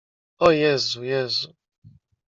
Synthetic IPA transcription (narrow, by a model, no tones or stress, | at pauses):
ɔjɛzujɛzu